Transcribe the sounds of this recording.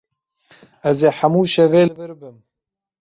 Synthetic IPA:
ɛzeːħamuːʃɛveːlɨvɨɾbɨm

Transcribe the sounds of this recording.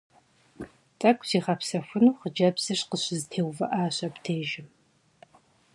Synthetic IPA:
t͡sʼɐkʷʼz̥iːχɐpsɐfʷʊnuːχəd͡ʒɐbz̥ɨʂqəɕɪzɨtʰeːwvɐʔaːɕɐptʰeːʒɪm

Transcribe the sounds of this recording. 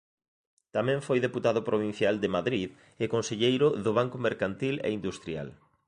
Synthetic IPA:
t̪amɛ̃ɱfojðeput̪aðʊpɾoβ̞in̟θjald̪ɪmaðɾið | ekonseʎejɾʊðʊβ̞aŋkomeɾkant̪ilɛ̰ind̪ust̪ɾja̰l

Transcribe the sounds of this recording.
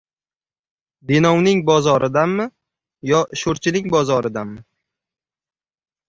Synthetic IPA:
binɒwnɪŋbɒzɒɾʔɪd̪anːɪ | jɒʃoɾt͡ʃʰɪnɪŋʲbɒzɒɾɪd̪anːɪ

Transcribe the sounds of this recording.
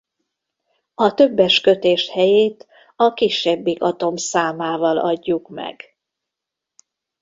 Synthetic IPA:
ɒt̪ø̞bːɛʃkøt̪eːʃhɛjeːt̪ | ɒkiʃːɛbːikɒt̪o̞msaːmaːvɒlɒ̰ɟːukmɛ̰ɡ̥

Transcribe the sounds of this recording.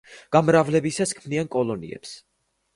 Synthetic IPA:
ɡ̥amɾavlɛbisaskʰmniankʼɔlˠɔnḭɛ̰ps

